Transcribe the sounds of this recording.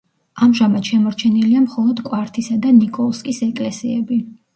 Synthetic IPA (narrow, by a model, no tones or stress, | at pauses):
amʒamad̪̥ʃɛmɔɾt͡ʃʰɛniliamχɔlˠɔd̪kʼwaɾt̪ʰisad̪anikʼɔlˠskʼisɛkʼlɛsiɛbi